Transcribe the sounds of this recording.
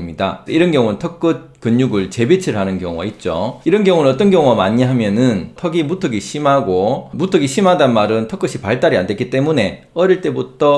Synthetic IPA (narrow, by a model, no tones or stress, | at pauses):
mɲidaiɾʌnɡjʌŋunɯntʰʌk͈ɯt̚kɯɲːuɡɯɭt͡ɕe̞bet͡ɕʰiɾɯɭɦanɯnkjʌŋua̰it̚t͡ɕ͈oiɾʌnɡjʌŋunɯnʌt͈ʌnɡjʌŋuamaɲiɦamjʌnɯntʰʌɡimutʰɯɡiɕʰimɦaɡomutʰɯɡiɕʰimɦadanmaɾɯntʰʌk͈ɯɕʰipaɭt͈aɾiande̞k͈it͈e̞mune̞ | ʌɾiɭt͈e̞butʰʌ